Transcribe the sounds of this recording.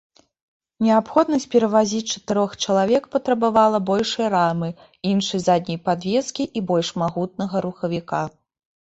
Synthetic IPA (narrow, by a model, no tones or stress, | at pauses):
nʲɛapxɔd̪nɐsʲt͡sʲpʲɛɾɐvazʲit͡sʲt͡ʂɐ̥t̪ɨɾɔxt͡ʂɐlˠavʲɛkpɐt̪ɾɐbavalˠɐbɔlʲʂɐjɐɾamɨ | inʂɐjzad̪̚ʲnʲɐjpad̪vʲɛskʲiʔibɔlʲʂmaɣut̪̚nɐɣɐɾuxɐvʲika